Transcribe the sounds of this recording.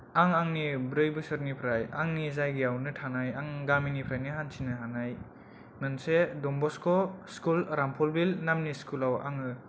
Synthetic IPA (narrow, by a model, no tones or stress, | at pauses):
aŋaŋnibɾɯjbɯsɯɾnipʰɾajaŋnizajɡijawnɯtʰanajaŋɡaminipʰɾajniɦansʰinɯɦanaj | nɯnsedɔmbɔskɔskulɾampʰɔlbilnamniskʰulawa̰ŋɯ